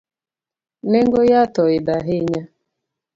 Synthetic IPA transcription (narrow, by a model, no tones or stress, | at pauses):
neŋɡojatɔɪdaɦɪɲa